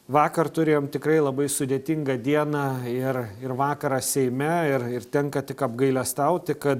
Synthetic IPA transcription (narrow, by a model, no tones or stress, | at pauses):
ʋɑːkɐrt̪ʊɾʲeːjoːmt̪ʲɪkɾɐɪlˠɐbɐɪsʊd̪ʲeːt̪ʲɪŋɡɐd̪ʲiɛnɑːɪrɪrʋɑːkɐɾɐːsʲɛɪmʲɛɪrɪɾt̪ʲɛŋkɐt̪ʲɪkɐbɡɐɪlʲɛst̪ɐʊt̪ʲɪkɐt̪